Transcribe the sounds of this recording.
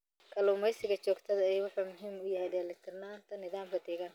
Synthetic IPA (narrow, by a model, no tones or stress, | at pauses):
kʰɐluːmɛjsɪɣɐt͡ʃɔːɡt̪ʰɐðɐɛjwʊħuːmʊɦiːmʊjɐɦɛjd̪ɛːlɪt̪ʰɪrnaːnt̪ʰɐnɪðaːmkɐd̪ɛːɣɐn